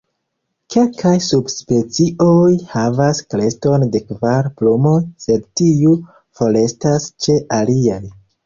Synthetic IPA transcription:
kʰe̞lkʰajsubspe̞t͡siojhavaskle̞sto̞nde̞kvaɾplumo̞jse̞dtiu | fo̞le̞stast͡ʃe̞ʔaliaj

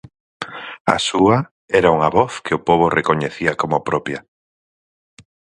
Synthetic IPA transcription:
ɐ̰suɐ | ɛɾauŋaβɔθkɪʊpɔβ̞orekoɲeθiɐkomopɾɔpjɐ

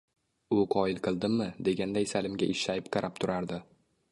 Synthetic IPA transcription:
ʊqʰɒɪlˠqʰɨlˠd̪ɪmːɪd̪e̞ɡʲand̪ajsalɪmɡʲaʔɪʃajɪpqʰɑɾʔap̚t̪ʰʊɾaɾd̪ɪ

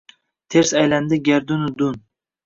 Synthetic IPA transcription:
t̪ʰeɾsajland̪ɪɡʲaɾd̪ʊnʊd̪ʊn

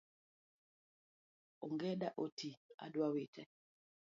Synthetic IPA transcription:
oŋɡɛdaʔotia̰dwawetʰɛ

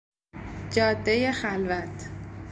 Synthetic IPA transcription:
d͡ʒɒːd̪ːeje̞xælvæt̪ʰ

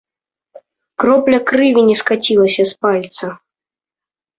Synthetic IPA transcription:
kɾɔplʲɐkɾɨvʲinʲɛskat͡sʲilˠɐsʲɐspalʲt̪sɐ

